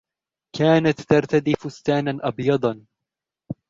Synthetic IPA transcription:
kaːnat̪ːɑɾˤt̪ad̪iːfʊst̪aːnanʔɑbjɑd̪ˤɑn

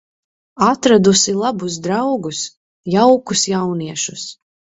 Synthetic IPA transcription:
at̪ɾad̪usilˠabus̬d̪ɾawɡus | jawkusjawniɛʃus

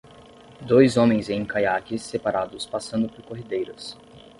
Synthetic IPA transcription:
d̪ojzõmẽj̃zẽj̃kajakɪsːepaɾad̪ʊspasɐ̃nd̪ʊpoɾkoɦid̪ejɾɐs

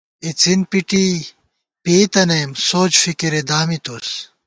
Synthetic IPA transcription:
it͡sinpiʈi | peːt̪ɐnɐjmsoːt͡ɕfikiɾed̪aːmit̪us

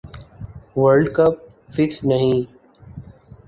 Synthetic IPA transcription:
ʋəɾɖkəp̚ | fɪksnəɦĩː

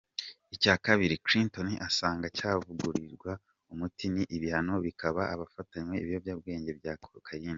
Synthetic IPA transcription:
icaːkaβiɾikɾintoniʔasaːŋɡacaːvuɡuɾiɾɡwa | umutiniʔiβihano̞βikʰaβaʔːβafataɲwe̞iβijovjaːb̚ɡe̞ːɲɟe̞βjaːkʰokʰajiːna

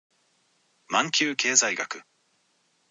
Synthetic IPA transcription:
mãŋkʲɨːke̞ːzaiɡakɯ̟

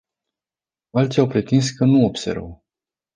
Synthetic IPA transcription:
alt̪sʲiawpɾet̪ins̬kənuobsḛɾvə̰

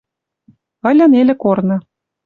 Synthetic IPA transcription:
ə̆lʲɤ̆nelʲĕkornɤ̆

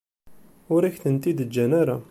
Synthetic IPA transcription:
ʊɾiçt̪ənt̪id̪əld͡ʒænaɾa

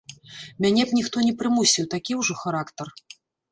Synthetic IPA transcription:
mʲanʲɛpnʲixt̪ɔnʲɛpɾɨmusʲiwt̪akʲiwʐɔxaɾakt̪ɐr

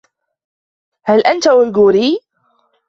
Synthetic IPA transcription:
halʔant̪awɪlɡuːɾiː

